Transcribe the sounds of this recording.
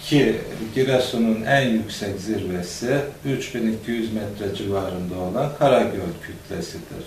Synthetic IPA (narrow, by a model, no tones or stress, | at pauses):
cʰiɟiɾasununænjycsɛcziɾvɛsiyt͡ʃbinicʰijyzmɛt̪ʰɾɛd͡ʒivaːɾɯnd̪aolˠankʰaɾaɟølcʰyt̪ʰlʲɛsid̪̥ḭɾ̥